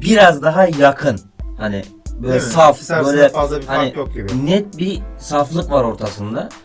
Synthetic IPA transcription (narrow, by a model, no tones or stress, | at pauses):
biɾazd̪aɦajakʰɯn | hanɪ̰ | bøjlʲɛsafbøjlʲɛhanɪnɛt̪̚bisaflˠɯkvaɾo̞ɾt̪ʰasɯnd̪a